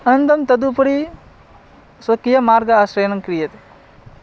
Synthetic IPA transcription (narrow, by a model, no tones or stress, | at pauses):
ɐnɐnd̪ɐmt̪ɐd̪upɐɽi | sɐkijɐmaːɾɡɐasɾeːnɐŋkɾijɐt̪e̥